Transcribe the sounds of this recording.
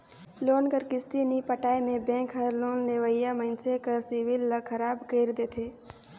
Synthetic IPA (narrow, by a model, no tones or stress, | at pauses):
loːnkəɾkɪst̪inipəʈaːimẽbɛ̃ːkɦəɾloːnneʋəjaməɪnsekəɾsiwɪlːəkʰəɾaːbkeːɾd̪eːt̪ʰeː